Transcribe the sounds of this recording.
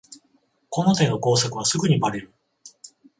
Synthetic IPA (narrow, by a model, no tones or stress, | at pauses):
ko̞no̞t̪e̞nːo̞ko̞ːsakɯ̟β̞asɨɡɯ̟ɲ̟imaɾeɾɯ̟